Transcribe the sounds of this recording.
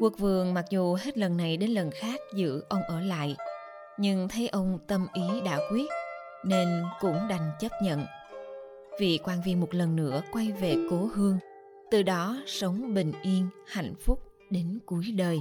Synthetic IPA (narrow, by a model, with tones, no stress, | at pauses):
ku˧˦˥ək̚vɨ̰˨əŋma˨˩k̚zu˨˩ɦe˦˥t̚lə˨˩nːa˨˩jɗe˨˦nlə˨˩nxaː˦˥k̚zɨ̰˧˥ʔə˧wŋ͡mʔəː˧˩la̰ː˧˨j | ɲɨ˧ŋt̪ʰə˨˦jʔə˧wŋ͡mt̪ə˧mʔi˨˦ɗa̰ː˧˥kwi˦˥ət̚ | ne˧nkʊ̰˧˥ŋ͡mɗa˨˩jŋ̟t͡ɕə˦˥p̚ɲə̰˧˨n | vḭ˧˨kwaː˧nvi˧ənmo˨˩t̚lə˨˩nːɨ̰˧˥əkwa˧jve˨˩ko˨˦ɦɨ˧əŋ | t̪ɨ˨˩ɗɔ˨˦sə˨˦wŋ͡mɓḭ̈˧˨ŋ̟ʔi˧ənha̰˧˨jŋ̟fʊ˦˥k͡p̚ | ɗe˨˦nku˨˦əjɗəː˨˩j